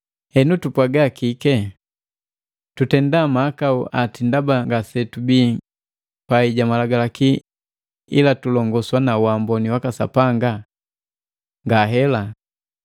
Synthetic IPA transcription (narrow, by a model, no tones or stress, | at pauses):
hɛnutupwaɡakikɛ | tutɛndamaːkauʔatindabaŋɡasɛtubiː | paiɟamalaɡalaki | ḭlatulɔŋɡɔswanawambɔniwakasa̰paŋɡa | ŋɡaɦɛla